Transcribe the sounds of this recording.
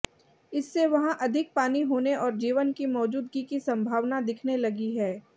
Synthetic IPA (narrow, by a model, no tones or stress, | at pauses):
ɪsːeʋɐɦãʔɐd̪ʱɪk̚paːniɦoːneʔɔːɾd͡ʒiːʋənkimɔːd͡ʒuːd̪ɡikisɐ̃mbʱaːʋnad̪ɪkʰnelɐɡiɦɛː